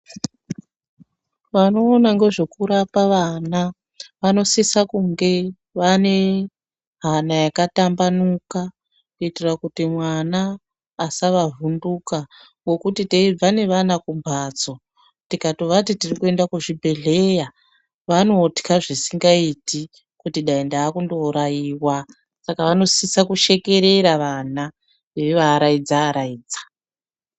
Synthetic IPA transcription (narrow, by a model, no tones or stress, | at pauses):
ʋano̞ːnaŋɡe̞ʐe̞kuɾapaʋana | ʋano̞sisakuŋɡe̞ | ʋane̞ | ɦanajakatambanuka | kuitirakutimwanaː | saʋavunduka | ŋɡo̞kutiteib͡vane̞ʋanakumbʱat͡so̞ | tikato̞ʋatitirikue̞ndakuʐibʱe̞ɮe̞ja | ʋano̞ti̥kaʐisiŋɡaiti | kutiɗaindaːkundo̞ɾajiːwa | sakaʋano̞sisakuʃe̞ke̞ɾe̞ɾaʋana | ʋeʋaɾaid͡zaːɾaiːd͡zḁ